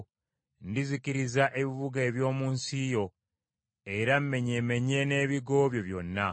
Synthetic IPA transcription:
ndiziciɾizaʔe̞βiβuɡeːβjo̞ːmuːnsijo̞ | e̞ɾamːe̞ɲeme̞ɲe̞ne̞ːβiɡo̞ːβjo̞βjo̞nːa

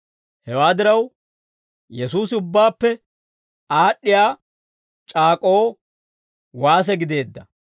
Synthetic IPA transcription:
hɛwaːd̪ɪɾɐw | jɛsuːsɪʊbːaːpːɛ | aːɗːɪjaː | t͡ʃʼaːkʼo̞ː | waːs̬ɛɡɪd̪e̞ːd̪ːɐ

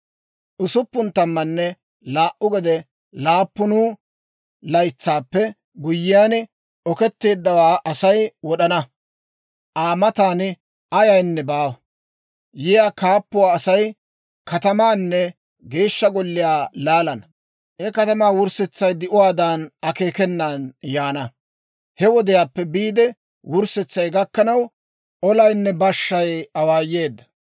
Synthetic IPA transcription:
ʔʊsʊpːʊnt̪ɐmːɐnːɛ | laːʔʊɡɛd̪ɛ | laːpːʊnuː | lɐjt͡sːaːpːɛ | ɡʊjːɪjaːn | ɔkɛt̪ːe̞ːd̪ːɐwaːʔɐsɐjwɔɗɐnɐ | ʔaːmɐt̪aːn | ɐjɐjnːɛbaː | jɪjaːkaːpːʊwaːsɐj | kɐt̪ɐmaːnːɛ | ɡe̞ːʃːɐɡɔlːɪjaːlaːlɐnɐ | hɛkɐt̪ɐmaːwʊɾsɛt͡sːɐjd̪ɪʔʊwaːd̪aːnɐke̞ːkɛnːaːnjaːnɐ | hɛwɔd̪ɪjaːpːɛbiːd̪ɛ | wʊɾsɛt͡sːɐjɡɐkːɐnɐw | ʔɔlɐjnːɛbɐʃːɐjɐwaːjːe̞ːd̪ːɐ̥

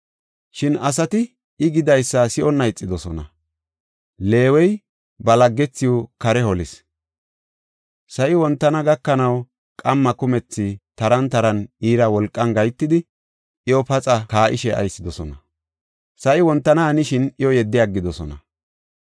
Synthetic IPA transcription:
ʃɪnɐsɐt̪ɪ | ɪɡɪd̪ɐjsːɐsɪʔɔnːɐɪt͡sʼːɪd̪ɔsɔnɐ̰ | le̞ːwɛj | bɐlɐɡːɛt͡sːɪjɔkɐɾɛhɔlɪs | sɐʔɪwɔnt̪ːɐnɐɡɐkːɐnɐw | kʼɐmːɐkʊmɛt͡sːɪt̪ɐɾɐnt̪ɐɾɐniːɾɐwɔlkʼːɐnɡɐjt̪ːɪd̪ɪ | ʔɪjɔpɐt͡sʼɐkaːʔɪʃɛɐ̰jsːɪd̪ɔsɔnɐ | sɐʔɪwɔnt̪ːɐnɐːnɪʃɪnɪjɔjɛd̪ːɪjaɡːɪd̪ɔsɔnɐ̰

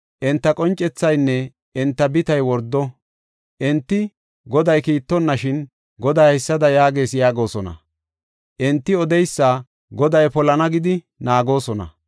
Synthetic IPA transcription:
ʔɛnt̪ːɐkʼɔnt͡ʃʼːɛt͡sːɐjnːɛ | ʔɛnt̪ːɐbɪt̪ɐjwɔɾd̪ːɔ | ʔɛnt̪ːɪ | ɡɔd̪ɐjkiːt̪ːɔnːɐʃɪn | ɡɔd̪aːhɪsːɐd̪ɐjaːɡe̞ːsjaːɡo̞ːsɔnɐ̰ | ʔɛnt̪ːɪɔd̪ɛjsːaː | ɡɔd̪ɐjpɔlɐnɐɡɪd̪ɪ | naːɡo̞ːsɔnɐ̰

